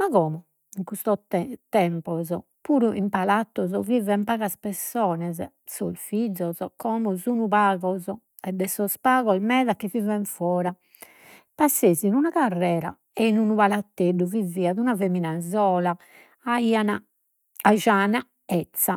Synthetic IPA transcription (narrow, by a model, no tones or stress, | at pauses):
maɣɔːmɔ | iŋkust̪ɔt̪ɛmpɔzɔ | puːɾuʔimpalat̪ːɔzɔvivɛmpaːɣaspɛsːɔːnɛzɛ | solfid̪zɔzɔkɔːmɔzunuβaːɣɔzɔ | ɛd̪ɛsɔspaːɣɔlmɛːðakːivivɛɱfɔːɾa | pasːeːzinunakarːɛːɾa̰ | ɛinunuβalat̪ːeɖuvivːiaðunaveminazɔːla | aiːana | aʒaːna | ɛt̪sːa